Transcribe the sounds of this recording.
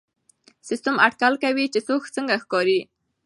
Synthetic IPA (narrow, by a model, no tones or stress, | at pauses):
sɪst̪amaʈkalkawit͡ʃesoxt͡səŋɡaxkɑɾi